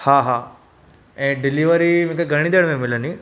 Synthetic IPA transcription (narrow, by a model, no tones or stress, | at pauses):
haɦaː | ɛ̃ːɖɪliʋəɾim̤ĩkeɡʱɐɽ̃id̪eɽmẽmɪləni